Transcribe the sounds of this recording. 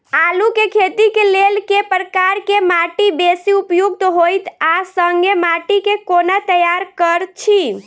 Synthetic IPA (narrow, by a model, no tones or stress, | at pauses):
alukekʰet̪ikelelkepɾəkaɾkemaʈibesiupjuɡ̚t̪ɦojt̪asəŋɡemaʈikekonat̪əjaɾkəɾt͡ʃʰi